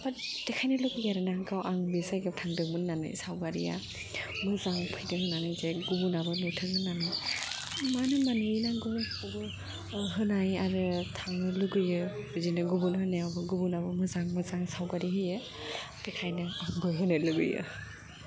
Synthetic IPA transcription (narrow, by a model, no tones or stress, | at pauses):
bad̥ɛkʰajnɯluɡɯjaɾɯnaɡawʔaŋbisajɡawtʰaŋdɯŋmɯnːanɯ̰jsawɡaɾḭja̰ | muzaŋpʰɯjdɯŋhɯnanɯjzɛɡubunabɯnutʰɯŋɯnːanɯj | manɯmanɯinaɡubun | ɔbɯ | ɔɦɯnajaɾɯtʰaŋɯlɯɡɯjɯbizinɯɡubunhɯnɛɔbɔɡubunabɔmuzaŋmɔzaŋsawɡaɾiɦɯjɯ | kɛkʰajnɯaŋbɯjɦɯnelɯɡɯ̰jɯ̰